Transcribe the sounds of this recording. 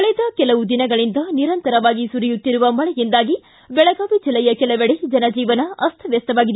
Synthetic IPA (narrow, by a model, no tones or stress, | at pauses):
kɐɭid̪ɐkɛlɐʋud̪inɐɡɐɭind̪ɐniɾɐnt̪ɐɾɐʋaːɡisuɾijut̪ːiɾuʋɐmɐɭɛjind̪aːɡi | bɛɭɐɡaːʋid͡ʒilːɛjɐkɛlɐʋeɽed͡ʒɐnɐd͡ʒiːʋɐnɐɐst̪ʰɐʋjɐst̪ɐʋaːɡid̪